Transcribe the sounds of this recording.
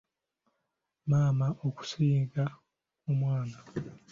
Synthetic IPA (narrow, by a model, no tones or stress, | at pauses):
maːmaʔoku̥siːɡa | kumwaːna